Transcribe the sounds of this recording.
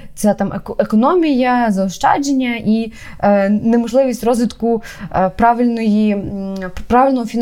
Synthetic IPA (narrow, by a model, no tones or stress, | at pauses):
t̪sʲat̪ɑmekɔnɔmʲijɐzɐɔʃt͡ʃɑ̰d͡ʒenʲːɐʔi | nemɔʒlˠɪʋʲisʲtʲrɔzʋʲit̪kʊ | pɾɑʋʲɪlʲnɔji | pɾɑʋʲɪlʲnɔɦɔfʲin